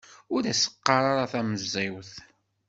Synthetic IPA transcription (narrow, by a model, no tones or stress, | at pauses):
ʊɾæsə̥qːɑɾˤaɾaθæməzːiwθ